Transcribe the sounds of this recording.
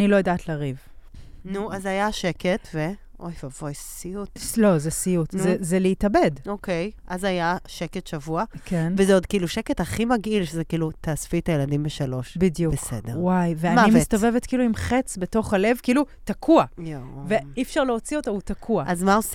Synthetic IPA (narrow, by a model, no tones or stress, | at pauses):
nilojadatlaʁiv | nuazajaʃeketveʔojvavojsijutlo̞zesijutnzezeleitabe̞dokejʔazajaʃeketʃavuakenvezeodkiiluʃeketaχimaɡilʃezekiːlutaːsfitajeladimbeʃalo̞ʃbidjubeksḛdeʁwajveanmaimist̪o̞vevetkiːluimχet͡sbeto̞χhale̞vkiːlutakʰuajove̞ifʃaʁleot͡siotautakʰuaazmaos